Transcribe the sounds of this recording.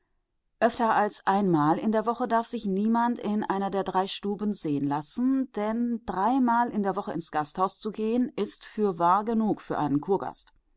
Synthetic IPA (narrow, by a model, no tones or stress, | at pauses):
ʔœftɐalsʔaɪnmaːlɪndeːɐvɔχədaɐfz̥ɪçniːmantɪnʔa̰ɪnɐdeːɐdʁaɪʃtuːbən̩zeːənlasn̩d̥ɛnd̥ʁaɪmaːlʔɪndeːɐvɔχəɪnsɡ̥asthaʊst͡suɡeːənɪstfyːɐvaːɐɡənuːkfyːɐʔaɪnənkʰuːɐɡa̰st